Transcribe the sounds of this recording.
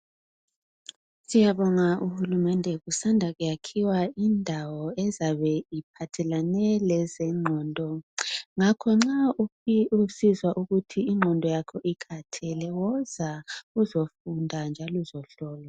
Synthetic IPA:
sijaβɔŋaʔuhulumɛndʱɛɣusandʱaɣujakʰiwaindʱawɔɛzaβɛipʰatʰɛlanɛlɛzɛŋ͡ǃʱɔːndʱɔŋakʰɔŋ͡ǁa | usizwaʔuɣutʰiiŋ͡ǃʱɔndʱɔjakʰɔʔikʰatʰɛlɛwɔzauzofundʱand͡ʒʱaluzɔɬɔːlɔ

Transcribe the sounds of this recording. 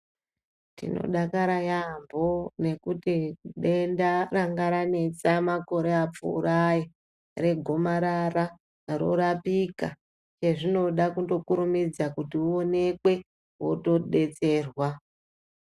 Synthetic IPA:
tḭno̰ɗakaɾajambo̞ne̞kutiɗe̞ndaraŋɡaɾane̞t͡samako̞ɾe̞ap͡fṵṵɾaji | re̞ɡʱo̞maɾara | ro̞̰ɾapika | t͡ʃe̞ʐino̞ɗakuto̞kuɾumid͡zakutiuone̞kwe̞ | wo̰to̞ɗe̞t͡se̞ːrwa

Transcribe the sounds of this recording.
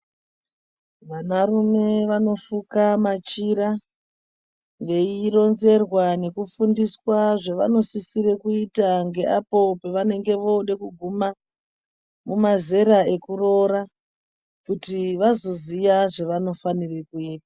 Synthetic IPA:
ʋanarume̞ʋano̞fukamat͡ʃiɾa | ʋe̞iro̞nze̞rwane̞kufundiswaʐeʋa̰no̞sisiɾe̞kuitaŋɡe̞ʔapo̞peʋane̞ŋɡe̞ʋo̞ɗekuɡʱuma | mumaze̞ɾae̞kuro̞ɾa | kutiʋazo̞zijaʐeʋano̞fanire̞kuiːpḁ

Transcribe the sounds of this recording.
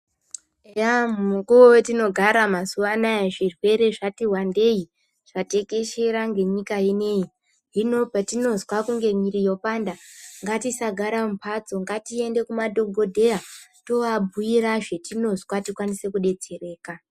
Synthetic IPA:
ejammukuowetino̞ɡʱaɾamasuʋanajeʐirwe̞ɾe̞ʐatiwande̞i | ʐ̥ate̞ke̞ʃeɾaŋɡe̞ɲikaine̞ji | ɦino̞patino̞zwakuŋɡe̞ɲiɾijo̞pandaŋɡatisaɡʱaɾamupʰat͡so̞ŋɡatie̞nde̞kumadʱo̞ɡʱo̞dʱe̞jato̞ʋabʱuiɾaʐe̞tino̞zwatikwanise̞kuɗe̞t͡se̞re̞ːka

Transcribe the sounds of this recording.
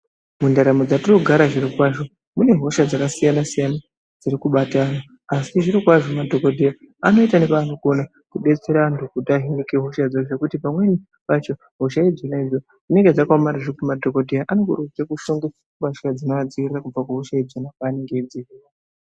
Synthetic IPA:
mundaɾamod͡zatiroɡʱaɾaʐiɾikwaʐo̞ | mune̞ɦo̞ʃad͡zakasijanasijana | d͡zirikuɓatana | asiʐiɾikwaʐo̞madʱo̞ko̞dʱija | ano̞itanepaːnoɡo̞na | kuɗe̞t͡se̞ɾandukutaɦinikeɦoʃad͡zoʐekutipamweni | pat͡ʃo̞ | ɦoʃaid͡zonaid͡zo | ʐine̞ŋɡed͡zakwamaɾiʐikumadʱo̞kodʱijaʔanokurut͡sekuʃoŋɡe | umaʃad͡zinoʋad͡ziirirakub͡vakuɦoʃaid͡zonak̚waːneŋɡed͡zi

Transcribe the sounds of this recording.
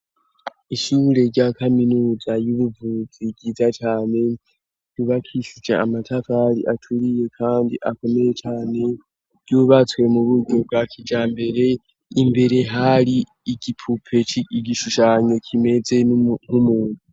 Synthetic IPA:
iʃuːɾe̞ɾɟakaminuːzajuβuvuziɡɟiːzat͡ʃaːne̞ | ɟuβakʰiʃud͡ʒe̞̰amatʰafaɾḭʔatʰuɾije̞kʰaːndḭʔako̞me̞je̞t͡ʃaːne̞ | ɾ̥ɟjuβat͡swe̞muβuɡo̞b̚ɡakʰid͡ʒaːmbe̞ɾe̞ | imbe̞ɾe̞ɦaɾi | iɡipʰupʰe̞ɡiʃuʃaːɲo̞kʰime̞d͡ze̞ŋ̥umuːnu

